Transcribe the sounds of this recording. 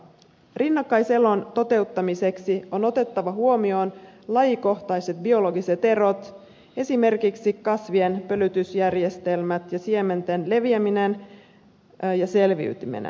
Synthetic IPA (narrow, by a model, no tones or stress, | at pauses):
rinːɑkːɑjse̞lo̞nt̪o̞t̪e̞ut̪ːɑmise̞ksio̞no̞t̪e̞t̪ːɑʋɑɦuo̞mio̞nlɑjiko̞ht̪ɑjse̞t̪̚bio̞lo̞ɡise̞t̪e̞ɾo̞t̪ | e̞sime̞rkiksikɑsʋienpø̞lyt̪ysjærje̞st̪e̞lmæt̪jɑsie̞me̞nt̪enle̞ʋiæminen | jɑse̞lʋḭyt̪imḭnḛ